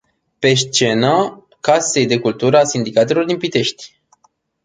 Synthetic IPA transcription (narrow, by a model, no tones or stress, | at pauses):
pe̞st͡ʃe̞na | kase̞jd̪e̞kult̪uɾəasind̪ikat̪e̞lo̞rd̪inpit̪e̞ʃt̪ʲ